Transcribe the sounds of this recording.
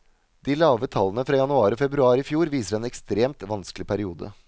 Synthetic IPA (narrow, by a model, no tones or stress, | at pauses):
d̪̥iːlɑːʋət̪ʰɑlːənəfɾɑːjɑnʉɑːɾɔfɛbɾʉɑːɾɪfjuːɾʋiːsəɾɛːnɛkst̪ɾeːmt̪ʋɑnsklɪpʰæɾɪuːd̪ə̰